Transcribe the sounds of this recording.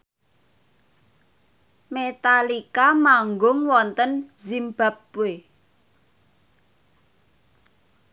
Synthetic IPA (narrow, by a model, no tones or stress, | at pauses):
met̪alikamaŋɡʊŋwɔnt̪ənzimba̤p̚we